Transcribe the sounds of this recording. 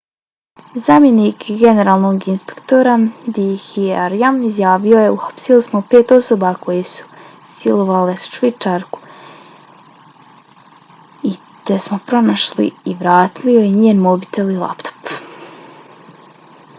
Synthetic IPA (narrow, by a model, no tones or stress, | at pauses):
zaːmje̞niːkɡe̞ne̞ɾaːlˠno̞ɡinspekt̪o̞ɾad̪ihieɾijamizjaːʋio̞je̞uxḁpsilismopeːt̪o̞so̞bako̞jesu̥ | silˠo̞ʋalesʃʋit͡ʃaɾku̥ | i | t̪esmo̞pɾo̞naʃlḭiʋɾaːt̪iliojeɲeːnmo̞bit̪e̞lilˠa̰pt̪o̥p